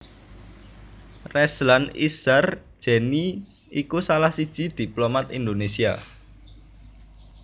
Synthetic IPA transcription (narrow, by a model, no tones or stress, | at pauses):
rɛslanḭsar̥ | ʒ̥ɛ̤ni | ikusalahsid̥ʒ̥i̤d̪̥i̤plomat̪ind̪onesia̰